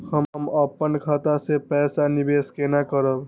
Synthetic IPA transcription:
həmməpːənkʰat̪asepɛːsanibeːskenakəɾəb

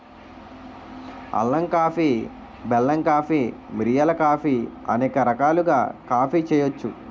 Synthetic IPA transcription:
ɐ̰lːɐŋkaːpiː | bɛlːɐŋkaːpimɾijɐlɐkaːpiɐ̰nɛːkɐɾɐkaːluɡa̰ːkaːpiːt͡ʃɛːjot͡ʃːu

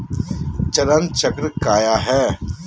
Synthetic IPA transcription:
t͡ʃɐɾənt͡ʃɐkɾkaːjaɦɛː

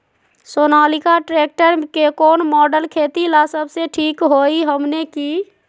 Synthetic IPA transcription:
sonaːlikaʈɾek̚ʈəɾkekoːnmɔːɖəlkʰet̪ilasəbseʈʰikɦoiɦəmneki

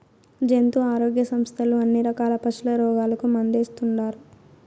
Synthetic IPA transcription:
d͡ʒent̪uaːɾoːɡjɐsɐmst̪ʰɐluɐnːiɾɐkaːlɐpɐt͡ʃulɐɾɔːɡaːlɐkumɐnd̪eːst̪uɳɖaːɾu

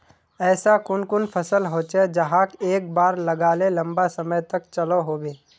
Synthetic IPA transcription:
ɛːsakʊnkʊnpʰɐsəlɦoːt͡ʃed͡ʒɐɦãkeːk̚baːɾlɐɡaːlelɐ̃mbasɐməjt̪ɐk̚t͡ʃɐloɦoːɡeː

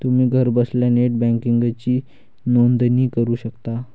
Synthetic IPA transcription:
t̪um̤iːɡʱəɾbəsljaneʈ̚bæ̃ŋkiŋɡat͡ɕiː | nond̪niːkəɾuːɕəkt̪a

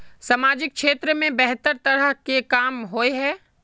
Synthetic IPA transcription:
samaːd͡ʒɪk̚ʃeːt̪ɾəmẽbɛɦt̪əɾt̪ɐɾəɦkekaːmɦoeɦɛː

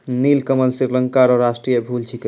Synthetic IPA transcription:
nilkəməlsɾiɾləŋkaɾɔɾasʈɾijəbʱult͡ʃʰik

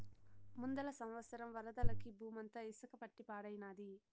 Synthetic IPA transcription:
mund̪ɐlɐsɐmʋɐsɐɾɐmʋɐɾɐd̪ɐlɐkibʱuːmɐnt̪ɐisɐkɐpɐʈːipaːɽɐjnaːd̪i

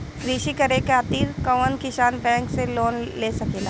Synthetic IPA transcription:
kɾiːʃikɐɾekaːt̪iːɾkəʋənkɪʃaːnbɛ̃ːŋkseloːnleːsɐkeːnaː

